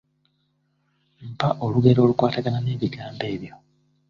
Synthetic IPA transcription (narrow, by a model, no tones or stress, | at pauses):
m̩paʔo̞luɡe̞ɾo̞ːlukwaːtaɡanane̞ːβiɡaːmbe̞ːβjo̞